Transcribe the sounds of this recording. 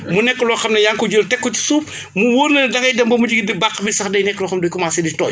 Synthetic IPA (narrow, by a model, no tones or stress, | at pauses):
munɛkːəlɔːxɐmnɐjaŋkɔɟəltɛkːɔci̥suːp̚ | muwoːɾnɐdɐŋɐjdɐmbɐmud͡ʒiɡidibakːbisɐxdɐjnɛkːlɔxɐmdɔjkɔmasiditɔːj